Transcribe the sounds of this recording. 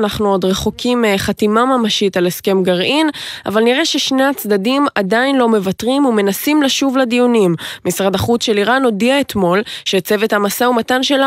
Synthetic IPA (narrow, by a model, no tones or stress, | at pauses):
naχnuo̞d̪ʁe̞χokʰimχatimamamaʃitaleske̞mɡaʁʔina̰valniʁeʃe̞ʃne̞at͡sd̪adimadainlo̞me̞vatʁimume̞nasimlaʃuvlad̪ijunimmisʁadaχut͡sʃe̞liʁano̞diaet̪mo̞lʃet͡se̞ve̞thamasaumatanʃela